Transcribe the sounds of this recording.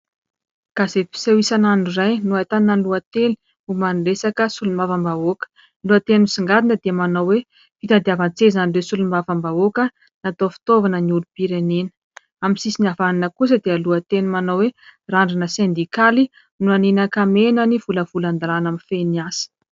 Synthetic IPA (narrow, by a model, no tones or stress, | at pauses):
kazepi̥sewisananurajnuat̪anːaluat̪eli̥ | umanulesakəsulumavəmbaokə̥ | luat̪enusiŋɡad̪inəd̪eəmanawwe | fit̪and̪iavant͡sezanilesulumavəmbaokə | nat̪ofi̥t̪ovanəniulupiɾenenə̥ | amisisinavaninəkus̬əd̪eəluat̪enimanoweraɳɖ͡ʐinəsend̪ikali | nuaninakamenəniv̥uləv̥uland̪alanamifeniasi̥